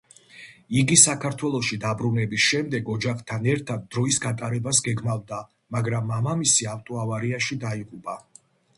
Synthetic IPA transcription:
iɡisakʰaɾt̪ʰwɛlˠɔʃid̪abɾunɛbisʃɛmd̪ɛɡɔd͡ʒaχt̪ʰanɛɾt̪ʰad̪̚ːɾɔisɡat̪ʼaɾɛbasɡɛɡmavd̪a | maɡɾamːamamisiaft̪ʼɔavaɾiaʃid̪aiqʼupʼa

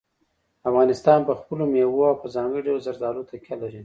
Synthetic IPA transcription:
afɣɑnɪst̪ɑnpəxpəlomewoawpəzɑŋɡəɖawlzaɾd̪ɑlot̪akʲalaɾi

